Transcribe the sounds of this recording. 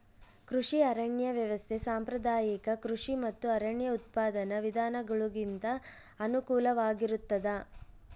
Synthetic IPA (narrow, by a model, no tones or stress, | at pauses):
kɾuʂiɐɾɐɳjɐʋjɐʋɐst̪ʰesaːmpɾɐd̪aːjikɐkɾuʂimɐt̪ːuɐɾɐɳjɐut̪̚paːd̪ɐnɐʋid̪ʱaːnɐɡɐɭuɡint̪ɐː | nukuːlɐʋaːɡiɾut̪ːɐd̪ɐ